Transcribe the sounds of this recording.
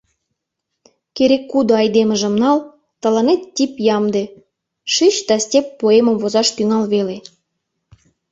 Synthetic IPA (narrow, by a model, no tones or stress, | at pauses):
keɾekːud̪oɑjd̪emə̆ʒə̆mnɑl | t̪ə̆lɑnet̪ʲːipjɑmd̪e | ʃiɕd̪ɑsʲtʲepːoemə̆mvozɑʃt̪yŋɑlβele